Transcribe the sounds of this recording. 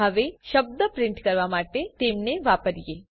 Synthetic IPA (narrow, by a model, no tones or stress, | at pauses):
əʋeʃəb̚d̪əpɾɪ̃ɳʈkəɾʋamaʈet̪emneʋapəɾije